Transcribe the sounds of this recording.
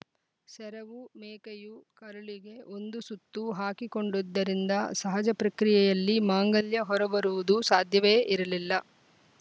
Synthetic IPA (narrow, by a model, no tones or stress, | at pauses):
sɛɾɐʋumɛːkɐjukɐɾuɭiɡe̞o̞nd̪usut̪ːuɦaːkiko̞ɳɖud̪ːɐɾind̪ɐsɐɦɐd͡ʒɐpɾɐkɾijɛjɐlːimaːŋɡɐljɐɦɔɾɐbɐɾuʋud̪usaːd̪ʱjɐʋeʔiɾɐlilːɐ